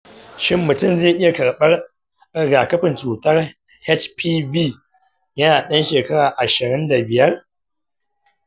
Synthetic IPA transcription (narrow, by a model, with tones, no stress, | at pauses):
ʃɪ˦mːʊ˨tʊ˦mzeː˦˨ʔɪ˦ja˨kɐ˨ɽɓɐ˦r | ɡaː˨kɐ˦ɸɪ˨nt͡ʃuː˨tɐ˦r | hɛ˦t͡ʃpʰiː˦viː˦˨ | jɐ˦naː˨ɗɐ˦nʃeː˨kɐ˦ɽaː˨ʔa˨ʃɪ˨ɾɪ˦nda˨bɪ˨jɐ˦r